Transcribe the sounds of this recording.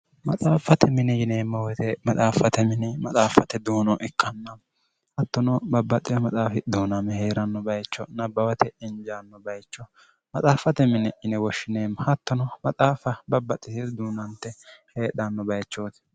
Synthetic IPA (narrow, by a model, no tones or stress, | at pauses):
mɐt͡sʼaːfɐt̪ɛmɪnɪjɪneːmːɐwɔt̪ɛmɐt͡sʼaːfɐt̪ɛmɪnɪmɐt͡sʼaːfɐt̪ɛd̪uːnɔʔɪkʰːɐnːɐm | hɐt̪ːɔnɔbɐbːɐt̪ʼːɪjɔmɐt͡sʼaːfɪd̪uːnɐmɛheːɾɐnːɔbɐjt͡ʃːɔnɐbɐwɐt̪ʰɛɪnd͡ʒanːɔbɐjt͡ʃːɔ | mɐt͡sʼaːfɐt̪ɛmɪnɛʔɪnɛwɔʃːɪneːmːɐhɐt̪ːɔnɔmɐt͡sʼaːfɐbɐbːɐt̪ʼːɪt̪ɪd̪uːnɐnt̪ːɛheːɗɐnːɔbɐjt͡ʃːoːt̪